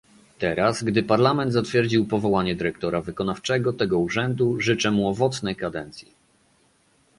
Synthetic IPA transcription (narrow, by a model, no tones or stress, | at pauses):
t̪ɛɾasɡd̪ɘpaɾlamɛnd̪zat̪fʲjɛɾd͡ʑiwpɔvɔwaɲɛd̪ɘɾɛkt̪ɔɾavɘkɔnaft͡ʂɛɡɔt̪ɛɡɔuʐɛnd̪uʐɘt͡ʂɛmuɔvɔt̪snɛjkad̪ɛnt̪sʲji